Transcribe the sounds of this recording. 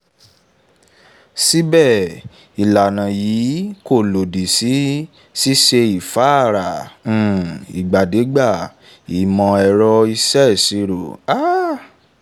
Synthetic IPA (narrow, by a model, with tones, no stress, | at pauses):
si˦bɛ˦˨ | i˨la˨nã˨jiː˨˦ko˦˨lo˨di˨si˨˦ | si˦ʃe˧i˨fa˨˦˨ɾã˨˦˨ | i˨ɡ͡ba˨de˨˦ɡ͡ba˦˨ | i˨˦mɔ̃˧ɛ˧ɾɔ˧i˧sɛ˦˨si˧ɾo˨a˦